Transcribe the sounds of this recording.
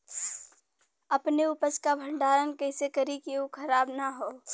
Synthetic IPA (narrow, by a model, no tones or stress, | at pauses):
ɐpneʊpəskabʱə̃ɳɖaːɾənkɐɪsekɐɾikiukʰɐɾaːbnaɦoː